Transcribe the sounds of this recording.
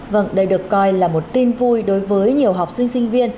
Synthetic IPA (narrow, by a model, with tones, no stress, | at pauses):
və̰˧˩ŋɗə˧jɗɨ˨˩əkːɔ˧jlaː˨˩mo˨˩t̚t̪i˧nvu˧jɗo˨˦jvəː˨˦jɲi˨˩əwɦa˨˩wk͡p̚sï˧ŋ̟sï˧ŋ̟vi˧ən